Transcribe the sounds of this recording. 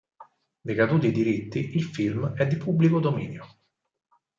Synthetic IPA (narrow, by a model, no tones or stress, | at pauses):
d̪ekad̪uːt̪id̪iɾit̪ːiʔilfilmɛd̪ːipubːlikod̪omḭːnjo